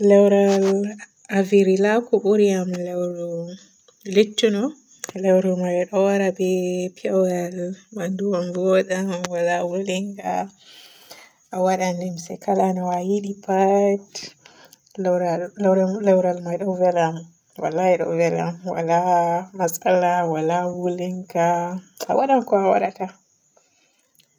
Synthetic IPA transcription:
lɛwɾal | aviɾilakuɓuɾiamlɛwɾu | litːunɔ | lɛwɾɔmajɗɔwaɾabɛpiɔwjalmanduwamvɔɗamwalawuliŋɡa̰ | ʔawaɗanlimsɛ̰kalanɔwajiɗipat | ɾɾlɛwɾalmajɗɔvɛlam | wa̰lːaɛɗɔ̰vɛla̰mwa̰lamasalawalawuliŋkaa̰waɗankɔawa̰ɗaka

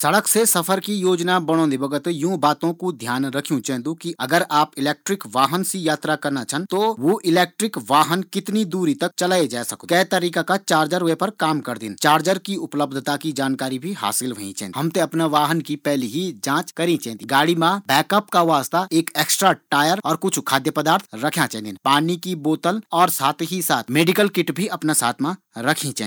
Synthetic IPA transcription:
sɐɽəksesɐfʰəɾkijoːd͡ʒnabɐɽ̃õːnd̪ebɐɡət̪jũːbaːt̪õkud̪ʱjaːnɾɐkʰijũt͡ʃɛːɦnd̪ukiɐɡəɾaːpɪleːk̚ʈɾɪkʋaːɦənsijaːt̪ɾakɐɾnat͡ʃʰənt̪oʋoʔɪlɛːk̚ʈɾɪkʋaːɦənkɪt̪nid̪uːɾit̪ɐk̚t͡ʃɐlaːed͡ʒaːsɐk̪kɛɦt̪ɐɾiːkakat͡ʃaːɾd͡ʒəɾʋepɐɾkaːmkɐɾd̪ɪ̰nt͡ʃaːɾd͡ʒəɾkiʊpləb̚d̪ʱt̪akid͡ʒaːnkaːɾibʱiɦa̰ːsɪlɦoḭ̃t͡ʃɛ̰̃ːɦɐmt̪eɐpnaʋaːɦənkipɛɦliɦid͡ʒãːt͡ʃkɐɾĩt͡ʃɛ̃ːnt̪iɡaːɽimãbɛːkəpkaʋaːst̪aeːkeːksʈɾaʈaːjəɾɔːɾkʊt͡ʃʰkʰaːd̪jəpɐd̪aːɾt̪ʰɾɐkʰjãt͡ʃɛ̃nd̪ɪ̃npaːnikiboːt̪əlɔːɾsaːt̪ʰɦisaːt̪ʰmeːɖɪkəlkɪʈbʱiɐpnasa̰ːt̪ʰmã | ɾɐkʰĩt͡ʃː

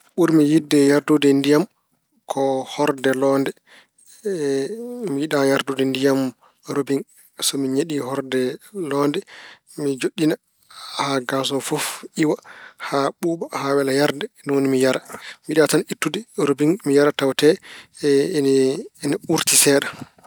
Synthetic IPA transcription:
ɓuɾmijidːɛjaɾdudɛndijam | kʰɔhɔɾdɛlɔndɛ | mijiɗajaɾdudɛndijam | ɾobiŋ | sɔmiɲeɗihɔɾdɛlɔndɛ | mid͡ʒoɗːina | haɡas̬ɔfɔfiwahaɓuːɓahawɛlajaɾdɛnɔwonimijaɾamiɗatanitːudɛɾobiŋmijaɾatawtɛ | niuɾtisɛːɗa

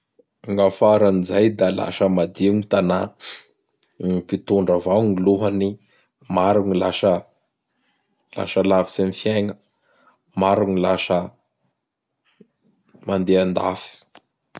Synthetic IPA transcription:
ŋɡafaɾanizajd̪ala̰ʃəmad̪iŋit̪ana | ipit̪uɳɖ͡ʐavawŋiluɦəni | maɾuŋilaʃə | la̰ʃəlavi̥semifjeŋə | maɾuŋilaʃə | mand̪eand̪a̰fi̥

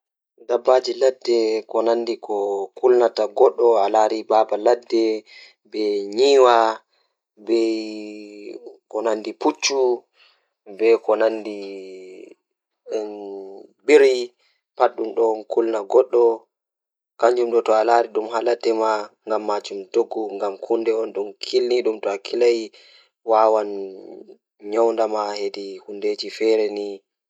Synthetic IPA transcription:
dabːad͡ʒiladːɛkɔnandikɔkulnataɡɔɗːɔalaɾibabaladːɛ | bɛɲiːwa | bɛ | kɔnandiput͡ʃːu | bɛkɔnandi | biɾi | paɗːumɗɔnkulnaɡɔɗːɔ | kaɲd͡ʒumɗɔtɔalaːɾiɗumɦalatːɛmaŋɡamːad͡ʒumtoɡːuŋɡamkʰundɛɔnɗunkʰilniɗumtɔakʰilaj | wawan | ɲɔwndamahedihundeːd͡ʒifɛɾɛni

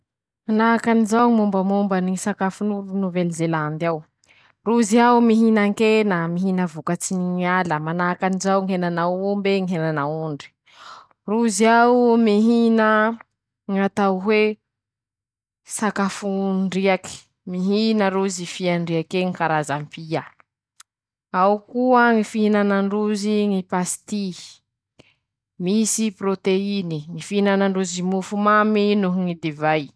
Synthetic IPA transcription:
manakanizawmumbəmumbənisakafunuɾunuvelizeland̪aw | ruziawumiɦinaŋkenəmiɦinəvukat͡siniɲaləmanaːkanizawŋɦenanawumbeŋiɦenanauɳɖ͡ʐi̥ | ruziamiɦinə | ŋat̪awɦwe | sakafuɳɖ͡ʐiaki̥ | miɦinəɾuzifiaɳɖ͡ʐiakeŋikaɾazampia | awkuəŋifiɦinanaɳɖ͡ʐuziŋipast̪i | misiprot̪einiŋifiinanaɳɖ͡ʐuzimufumaminuɦŋid̪evaj

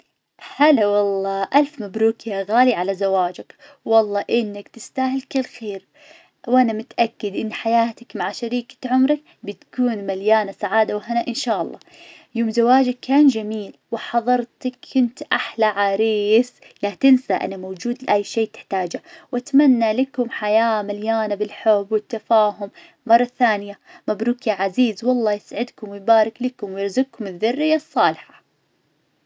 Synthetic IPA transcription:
halawɑlːɑːʔalfmabɾuːkjaɣaːliʕalazawaːd͡ʒak | wɑlˤːɑːʔɪnːakt̪ɪst̪aːɦɪlkɪlːxeːɾ | wʔanamʊt̪ʔakːɪd̪ʔɪnːħajaːt̪akmaʕʃaɾiːkḁʕʊmɾɪk | bɪt̪kuːnmaljaːnasaʕaːd̪awɪɦanaʔɪnʃaːʔɑ̰lˤːɑ̰ːjoːmzawaːd͡ʒakːaːnd͡ʒamiːlwɪħɑðˤɑɾˤt̪akːʊnt̪ʔaħlaʕaːɾiːs | lat̪ɪnsaʔa̰namoːd͡ʒuːd̪lʔajːʃeːt̪ɪ̥ħt̪aːd͡ʒawʔat̪manːalɪkʊmħajaːmaljaːnabɪlħʊbːwɪt̪ːafaːɦʊm | mɑrˤːɑθaːnɪjamabɾuːkjaʕaziːzwɑlˤːɑːjɪsʕɪd̪kʊmwɪjbaːɾˤɪklɪkʊmwjɪɾzʊɡ̚kːʊmɪðːʊrːɪjːasˤːɑːlɪħḁ

